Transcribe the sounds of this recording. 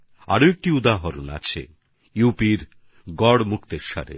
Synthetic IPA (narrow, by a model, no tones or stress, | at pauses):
a̰ɾoek̚ʈiud̪aɦoɾona̰t͡ɕʰḛ | jupiɾ | ɡɔɽmukt̪eɾʃa̰ɾḛ